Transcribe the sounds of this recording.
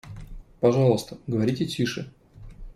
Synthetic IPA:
pɐʐɑlˠəst̪əɡəvɐɾʲitʲɪtʲʰiʂɨ

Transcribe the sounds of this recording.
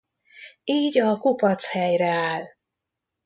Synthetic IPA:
iːɟɒkupɒt̪shɛjrɛaːl

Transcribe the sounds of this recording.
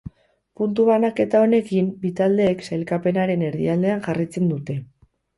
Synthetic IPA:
punt̪̬uβ̞anake̞t̪ao̞ne̞kimbit̪ald̪e̞ːksajlkape̞naɾe̞ne̞ɾðiald̪e̞aŋʝarajt͡se̞nd̪ut̪e̞

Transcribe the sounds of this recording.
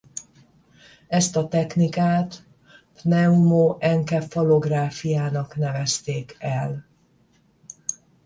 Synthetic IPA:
ɛst̪ɒt̪ɛknikaːt̪ | pnɛumoʔɛŋkɛfolo̞ɡraːfijaːnɒknɛvɛst̪eːkɛl

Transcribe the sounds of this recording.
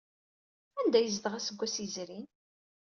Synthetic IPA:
ænd̪æjəzd̪əʁæsəɡʷːæsizɾin

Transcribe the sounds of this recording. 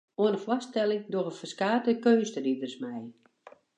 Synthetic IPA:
oənəfwɔstɛlˠɪŋdorəfərskaːtəkøːnstəridərsmɛj

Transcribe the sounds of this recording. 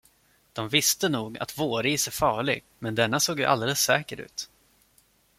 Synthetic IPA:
d̪̥ɔmvɪst̪ənuːɡa̰t̪voːɾiːsɛfɑːɭɪ̰ɡ̚ | mɛnd̪ɛnːasoːɡjɵʔa̰ld̪ɛləsːɛːkəɾʉ̟̰ːt̪

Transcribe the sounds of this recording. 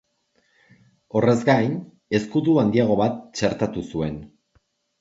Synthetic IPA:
o̞re̞zɡajn | e̞skut̪uand̪iaɣ̞o̞βat̪̚t͡ʃe̞ɾt̪at̪usue̞n

